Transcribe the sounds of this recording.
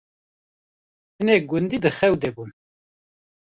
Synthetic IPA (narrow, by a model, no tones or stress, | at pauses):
hɨneɡʊnd̪id̪ɨxɛwd̪ebun